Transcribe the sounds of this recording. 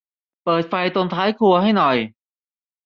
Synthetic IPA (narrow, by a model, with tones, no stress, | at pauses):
pɤː˨˩t̪̚fa˧jt̪o˧nt̪ʰaː˦˥jkʰu˧ɐɦa˥˩jnɔ˨˩j